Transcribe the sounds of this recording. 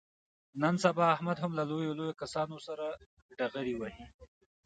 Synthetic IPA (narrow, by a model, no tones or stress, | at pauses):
nansabɑːhmad̪hamlalojolojokasɑnosaɾa | ɖaɣaɾiwahi